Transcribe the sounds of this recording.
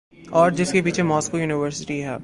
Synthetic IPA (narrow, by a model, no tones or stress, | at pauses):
ɔːɾd͡ʒɪskepiːt͡ʃʰemɔːskojuːnɪʋəɾsɪʈiɦɛː